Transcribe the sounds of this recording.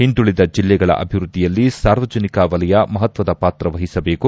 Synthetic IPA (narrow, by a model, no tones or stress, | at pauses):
hind̪uɭid̪ɐd͡ʒilːɛɡɐɭɐ̰ʔɐ̰bʱiʋɾud̪ʱːijɐlːisaːɾʋɐd͡ʒɐnikɐʋɐlɐjɐmɐɦɐt̪ʋɐd̪ɐpaːt̪ɾɐʋɐɦisɐbe̞ːku